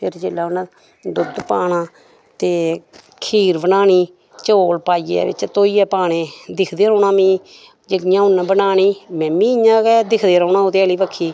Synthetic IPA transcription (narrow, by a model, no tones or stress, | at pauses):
pʰɪɾd͡ʒeːlaːʊnã | d̪ʊd̪paːɳãː | t̪eː | kʰiːɾbənaːɳiː | t͡ʃoːlpaːiːɛ̰ːʋɪ̰t͡ʃt̪oːiːɛːpaːɳẽːd̪ɪkʰd̪eːɾõːɳãːmĩː | d͡ʒeɪjãːʊnːbənaːniːmɛ̃ːmĩːɪɲãːkɛːd̪ɪkʰd̪eːɾəːnãːoːt̪eːəliːbəkʰːiː